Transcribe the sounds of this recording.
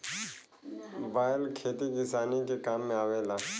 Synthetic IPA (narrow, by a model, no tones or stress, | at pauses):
baːɪlkʰeːt̪iːɡɪsaːniːkeːkaːmːẽaːʋeːlaː